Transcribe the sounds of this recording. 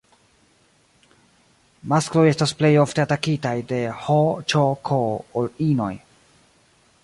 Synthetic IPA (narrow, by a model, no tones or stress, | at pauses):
masklo̞je̞stasple̞jofte̞atakitajde̞hot͡ʃokʰoolino̞̰j